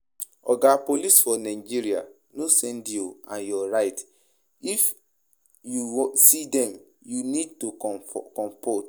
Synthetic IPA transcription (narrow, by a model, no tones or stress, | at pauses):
ɔ̰ɡapolisfɔnãɪd͡ʒiɾia̰ | nosɛ̃ndjoãnjɔɹaɪt | if | juwɔsidɛ̃m | junid̚tukɔ̃mpot